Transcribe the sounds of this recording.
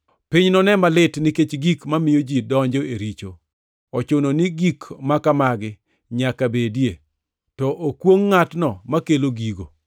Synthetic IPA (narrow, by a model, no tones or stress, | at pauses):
pɪɲnɔnɛmalɪtnɪket͡ʃɡikmamɪjod͡ʒidɔɲd͡ʒoeɾit͡ʃo̰ | ɔt͡ʃononiɡikmakamaɡɪ | ɲakabedje | tɔʔokwoŋːatnɔmakeloɡiɡo̰